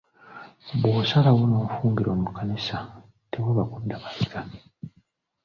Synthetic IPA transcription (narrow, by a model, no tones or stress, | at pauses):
βoːsalawonoːfuːŋɡiɾo̞ːmukanisa | te̞weβakudːaβasi̥ka